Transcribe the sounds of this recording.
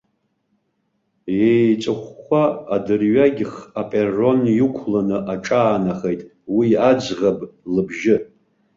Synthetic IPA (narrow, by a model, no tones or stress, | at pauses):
jejt͡sʼɨχʷaːdɨrɥaɡʲɪχapʼerːo̞njukʷʰlanɨʔaʈ͡ʂʼaːnaχejtʼ | wiad͡ʒʁablɨbʒɪ